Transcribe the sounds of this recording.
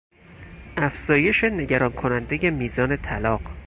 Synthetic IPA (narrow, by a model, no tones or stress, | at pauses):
ʔæfz̥ɒːje̞ʃe̞ne̞ɟæɾɒːnkʰo̞nænd̪eje̞miːzɒːne̞t̪ʰælɒːɢ